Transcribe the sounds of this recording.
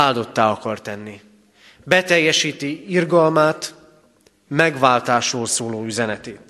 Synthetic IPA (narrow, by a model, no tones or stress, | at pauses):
aːld̪o̞t̪ːaːɒkɒrt̪ɛnːi | bɛt̪ɛjːɛʃiːt̪iirɡɒlmaːt̪ | mɛɡʋaːlt̪aːʃoːlsoːloːyzɛnɛt̪eːt̪